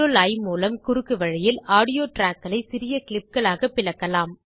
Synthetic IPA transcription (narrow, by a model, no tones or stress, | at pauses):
olɐɪmuːlɐmkʊɾɯkːɯʋɐɻɐjɪlaːɽɪjoːʈɾaːkːɐlɐɪsɪɾɪjɐkɪlɪp̚kɐɭaːɣɐpːɪlɐkːɐlaːm